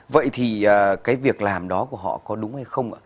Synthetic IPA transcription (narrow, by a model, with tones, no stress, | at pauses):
və̰˧˨jt̪ʰi˨˩əː˨˩kaː˨˦jvi˨˩ək̚laː˨˩mɗɔ˨˦ku˧˩əɦɔ̰˧˨kɔ˨˦ɗʊ˨˦ŋ͡mha˧jxə˧wŋ͡mʔa̰ː˧˩